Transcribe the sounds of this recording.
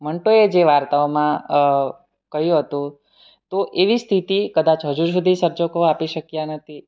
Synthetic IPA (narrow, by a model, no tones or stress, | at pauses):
məɳʈoed͡ʒeʋaɾt̪aomã | kəɦjũɦət̪ũ | t̪oʔeʋist̪ʰit̪ikəd̪at͡ʃʰɦəd͡ʒuɾs̬ud̪ʱisəɾd͡ʒokoapiʃəkjanət̪ʰi